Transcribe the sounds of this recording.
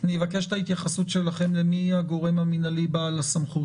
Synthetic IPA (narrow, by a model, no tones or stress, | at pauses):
nivake̞ʃt̪ait̪jaχasutʃe̞laχe̞mlemihaɡo̞ʁe̞maminalibalasamχut